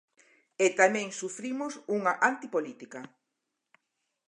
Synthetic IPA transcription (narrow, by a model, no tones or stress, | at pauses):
et̪amɛ̃ŋsufɾimʊsuŋaʔant̪ipolit̪ikɐ